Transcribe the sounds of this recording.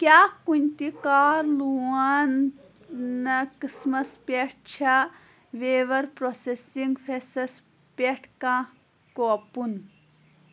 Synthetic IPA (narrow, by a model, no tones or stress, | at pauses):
kʲjaːkunʲt̪ikaːɾluaːnː | ɐkɨsmɐspʲeʈ̚ʰt͡ʃʰɐ | ʋeːʋɐɾpɾosesiŋɡfʰesɐs | pʲeʈʰkãː | kopun